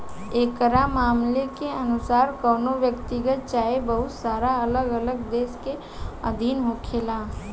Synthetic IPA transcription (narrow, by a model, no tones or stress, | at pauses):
eːkɾamaːmlekeənʊsaːɾkəːnoʋjəkt̪iɡət̪̚t͡ʃaːebəɦʊt̪saːɾaələɡələɡd̪eːske | ə̰d̪ʱiːnɦokʰeːlaː